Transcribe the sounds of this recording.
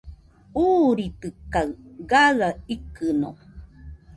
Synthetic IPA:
uːɾit̪ɨkaɨɡaɣaikɨno̰

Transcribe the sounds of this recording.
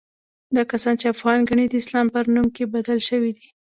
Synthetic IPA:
d̪ɑkasɑnt͡ʃeafɣɑnɡaɳid̪əɪslɑmpəɾnumkebad̪alʃəwid̪i

